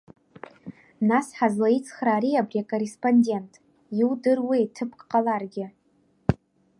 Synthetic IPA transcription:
nasħazlait͡sʰʼχraːɾiabriakʼorespʼonde̞ntʼ | iwdɨrwitʰɨpʰkʼqʼalarɡʲɪ

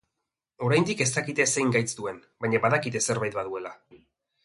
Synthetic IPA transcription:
o̞ɾajnd̪ike̞st̪akit̪e̞se̞jŋɡajt͡sd̪ue̞nbaɲaβaðakit̪̬e̞se̞ɾβajt̪̚baðue̞la

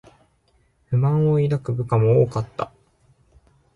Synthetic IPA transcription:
ɸɯ̟mãɰ̃o̞iɾakɯ̟bɯ̟kamo̞oːkat̪ːa̰

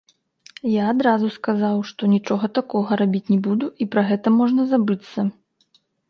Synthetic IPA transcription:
jaːd̪ɾazuskazawʂt̪ɔnʲit͡ʂɔɣɐt̪akɔɣɐɾabʲit͡sʲnʲɛbud̪uipɾɐɣɛt̪ɐmɔʐnɐzabɨt̪sːɐ

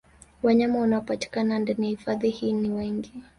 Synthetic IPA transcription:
waɲamawanaɔpati̥kanandaniahifaðihiːniwɛŋɡi

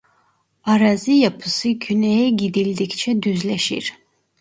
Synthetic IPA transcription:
aɾazɨjapʰɯsɯɟynɛjɛɟid̪ilʲd̪ikt͡ʃʰɛd̪yzlɛʃḭɾ̥

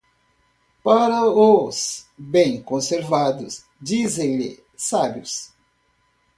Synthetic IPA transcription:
paɾɐosbẽj̃kõseɾvad̪ʊs | d͡ʒizẽj̃lɪ̰ | sabjʊs

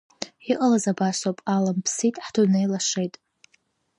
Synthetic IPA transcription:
iʔʼalazabasapʼalampʰsitʼħdʰunejlaʂejtʼ

